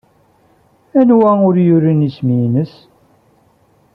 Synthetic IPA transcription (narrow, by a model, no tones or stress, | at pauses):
ænwæʊɾjʊɾinisminəs